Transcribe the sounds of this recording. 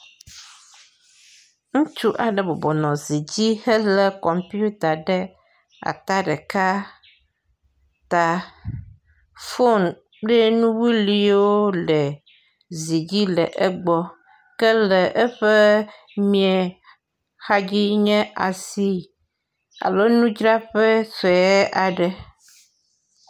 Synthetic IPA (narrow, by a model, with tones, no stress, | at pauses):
ŋũ˦t͡ʃu˦ʔa˨ɖɛ˨bɔ˨bɔ˨nɔ̃˨zi˨d͡ʑi˦hɛ˦lɛ˦kɔ˨mpi˦u˦t̪a˨ɖɛ˦ | a̰˨t̪a˦ɖɛ˨ka˦ | t̪a˨ | fo˦n | k͡pe˦nũ˦wi˦li˦wo˦lɛ˨ | zi˨d͡ʑi˦lɛ˨ʔe˦ɡ͡bɔ˦ | kɛ˦lɛ˨ʔɛ˦ɸɛ˦ | mĩ˨ɛ˨ | xa˦d͡ʒi˦ɲɛ̃˦ʔa˨si˦ | a̰˨lo˦nũ˦d͡ʒɾa˦ɸɛ˦se˨ɛ˦ʔa˨ɖɛ˨